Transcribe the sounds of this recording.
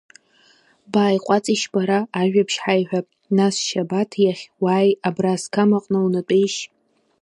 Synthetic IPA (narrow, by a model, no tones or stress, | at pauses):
baːjqʷʼɑt͡sʼiʃbaɾaːʒᶣapʰʃħajħʷᶣapʼ | nasʃabatʰjaχʲwaːjabraskʰamaqʼnawnɨtʼejʃ